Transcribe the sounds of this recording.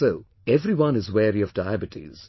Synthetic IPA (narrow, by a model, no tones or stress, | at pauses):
soʊ | ɛvɾiwʌ̃nɨzwɛɹiɔvdaɪæbɨtʰḭz̥